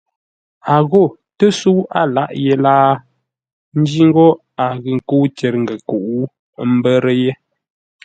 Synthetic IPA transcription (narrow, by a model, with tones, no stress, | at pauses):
a˨ɣo˦˨ | tə˦su˦a˦˨la˦˨ʔje˨˦laː˦ | n̩˦d͡ʒi˦ŋ̩˦ɡɔ˦ | a˨ɣɨ˨ŋ̩˨ku˦t͡ʃe˨ɾŋ̩˨ɡə˨ku˨ʔu˦ | m̩˦bə˦ɾə˦je˦